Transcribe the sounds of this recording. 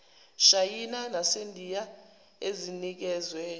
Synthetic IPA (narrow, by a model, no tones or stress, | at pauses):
ʃajinanasendʱija | ezinik̬ɛːzwɛ